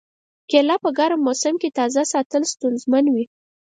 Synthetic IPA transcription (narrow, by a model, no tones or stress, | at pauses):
kelɑpəɡɑɾamosɪmket̪ɑzasɑt̪əlst̪unzmanwi